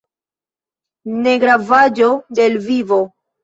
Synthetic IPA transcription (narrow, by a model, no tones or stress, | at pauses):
ne̞ɡɾavad͡ʒode̞lvivo̞